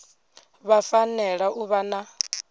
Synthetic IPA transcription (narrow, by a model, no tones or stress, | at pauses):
βafanɛɺaʔuβana